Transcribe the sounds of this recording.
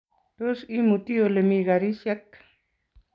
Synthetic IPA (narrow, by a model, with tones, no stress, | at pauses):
to˦si˦mu˨t̪i˦o˨le˨mi˨ɣa˨ɾi˦ʃjɛ˦k